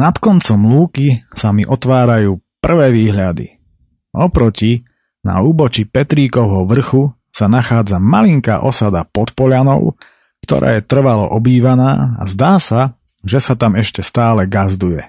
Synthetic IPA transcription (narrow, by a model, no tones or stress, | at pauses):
nat̪kɔnt͡sɔmluːkisamiʔɔt̪ʋaːɾajuːpr̩ʋɛːʋiːɦʎad̪ḭ | ʔɔpɾɔci | na̰uːbɔt͡ʃipɛt̪ɾiːkɔʊɦɔʋr̩xu | sanaxaːd͡zamaliŋka̰ːʔɔsad̪apɔt̪pɔʎanɔ̰ʊ | kt̪ɔ̰ɾʔa̰ːjɛt̪r̩ʋalɔ̰ʔɔbiːʋanaːa̰zd̪aːsa | ʒɛsat̪amɛʃcɛst̪aːlɛɡazd̪ujɛ